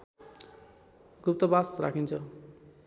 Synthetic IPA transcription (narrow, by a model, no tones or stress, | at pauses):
ɡup̚t̪ʌbasra̰kʰint͡sʰʌ